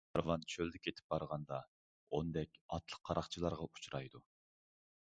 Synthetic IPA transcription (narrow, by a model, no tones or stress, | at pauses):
ɑɾvɑnt͡ʃʰøld̪ɪkʲʰet̪ʰɪ̥p̚bɑɾʁɑnd̪ɑ | ond̪ɛkʲɑt̪ʰlˠə̥qʰːɑɾʔɑχt͡ʃʰilˠɑɾʁɑu̥t͡ʃʰɾɑjd̪u